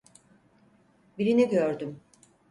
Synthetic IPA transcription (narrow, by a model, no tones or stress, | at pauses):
biɾiniɟøɾd̪ym